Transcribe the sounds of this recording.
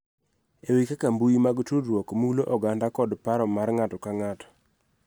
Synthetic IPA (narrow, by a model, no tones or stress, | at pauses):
ewikakambujimaɡtudɾwɔkmuloʔɔɡandakɔdpaɾɔmarŋatɔkaŋatɔ̥